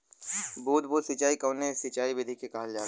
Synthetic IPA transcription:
buːd̪buːd̪sit͡ʃaːikɐːnesit͡ʃaːibɪd̪ʱikekaːlaː

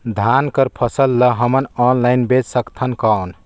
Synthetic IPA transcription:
d̪ʱankəɾpʰəsəlːəɦəmənɔnlaɪnbed͡ʒsəkt̪ʰənkawn

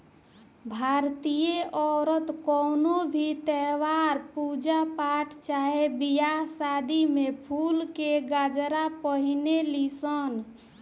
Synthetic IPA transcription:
bʱaɾt̪ijeʔɔɾət̪kɔnobʱit̪ɛʋaɾpud͡ʒapaʈʰt͡ʃaɦebijaɦsad̪imepʰulkeɡad͡ʒɾapəɦinelisən

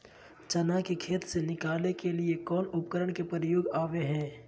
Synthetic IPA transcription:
t͡ʃɐnakekʰeːt̪senɪkaːlnekelɪekɔːnʊpkəɾəɳkepəɾjoːɡaːʋeɦɛ̃ː

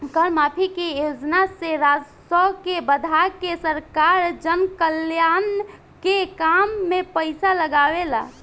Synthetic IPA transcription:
kəɾmapʰikejod͡ʒnaseɾad͡ʒ | sɔkebəd̪ʱakesəɾkaɾd͡ʒənkəljan | kekamːepəɪsaləɡaʋela̰

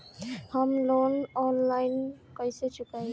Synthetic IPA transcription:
hamlonɔnlajn | kajset͡ʃukaj

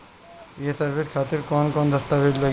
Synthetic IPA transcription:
jesɐɾʋeskʰaːt̪iɾkɔːnkɔːnd̪ɐst̪aʋed͡ʒlo

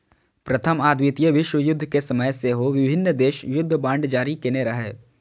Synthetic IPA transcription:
pɾɐt̪ʰəmaːd̪wɪt̪ijəʋɪʃwəjʊd̪ʱːkesɐməjseɦoʋɪbʱɪnːd̪eːʃjʊd̪ʱːbãːɳɖd͡ʒaːɾikeneɾɐɦeː

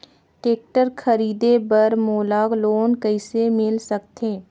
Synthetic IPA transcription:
ʈeːk̚ʈəɾkʰəɾiːd̪ebəɾmoːlaːɡloːnkəɪsemɪlsək̚t̪eː

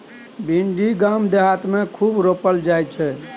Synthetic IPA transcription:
binɖiɡamd̪eɦat̪mekʰubɾopəld͡ʒajt͡ʃʰɛ

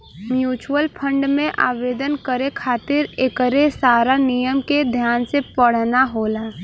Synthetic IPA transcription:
mjuːt͡ʃuəlpʰə̃ɳɖmẽʔaːʋeːd̪ənkəɾekʰaːt̪ɪɾekəɾesaːɾanijəmked̪ʱjaːnsepəɽ̤naɦoːlaː

